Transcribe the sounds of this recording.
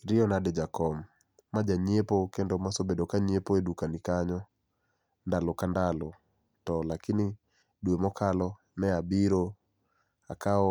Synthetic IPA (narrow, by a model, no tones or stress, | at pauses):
ɾɪɔnadɛd͡ʒakɔmː | ad͡ʒaɲepokendɔmasobedokaɲepoedukanikaɲɔ | ndalokandalo | tɔlakini | dwemɔkʰalɔ | nɛabiɾo | a̰kaɔ